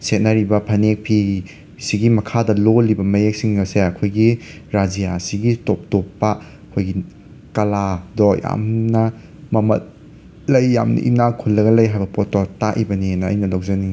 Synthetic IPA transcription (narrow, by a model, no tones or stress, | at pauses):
set̚nɐɾibɐpʰɐnek̚pʰi | siɡimɐkʰadɐlolibɐmɐjek̚siŋɡɐseɐkʰojɡi | ɾad͡ʒijasiɡitop̚topːɐ | kʰojɡi | kɐladɔja̰mnɐ | mɐmɐ̰t̚ | lɐjːa̰mnɐ̰ʔḭnakʰulːɐɡɐlɐjɦajbɐpɔtɔtaʔibɐninɐ̰ːjnɐlawzɐni